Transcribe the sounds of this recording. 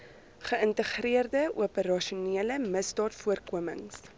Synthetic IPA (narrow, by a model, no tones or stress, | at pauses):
χəəntəχriərdəuəpəɾɑʃuneələməsdɑːtfuərkuəmə̰ŋs